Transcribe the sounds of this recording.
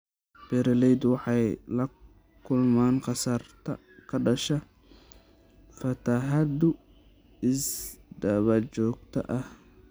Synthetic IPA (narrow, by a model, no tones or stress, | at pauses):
b̥ɛɾɐlɛjd̪wɑħɑjlɐ | kʰʊlmaːnqɑsɐrt̪ʰɐ̰ | kʰɐɖɐʃɐ | fɐt̪ʰɐɦɐd̪ʊ | ɪsdɐβɐt͡ʃɔːɡ̚t̪ʰɐ̰ʔɐh